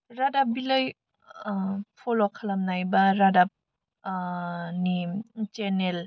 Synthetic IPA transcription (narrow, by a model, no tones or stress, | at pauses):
ɾadap̚biləj | pʰolokʰalamnajbaɾadap̚ | nit͡ʃenel